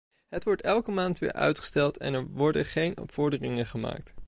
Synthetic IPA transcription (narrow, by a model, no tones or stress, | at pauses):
ɦətʋɔɹtɛlˠkəmaːntʋɪ̰ːɹʔœ̰ɥtχə̥stɛlˠtʰɛ̰nɛɹʋɔɹdəχejnɔ̰pfɔɹdərɪŋəχəma̰ːk̚t